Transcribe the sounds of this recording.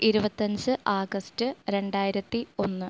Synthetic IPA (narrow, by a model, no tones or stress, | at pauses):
iɾubɐt̪ːɐɲd͡ʑɨʔaːɡɐstɨɾe̞ɳɖaːjiɾɐt̪ːio̞nːɨ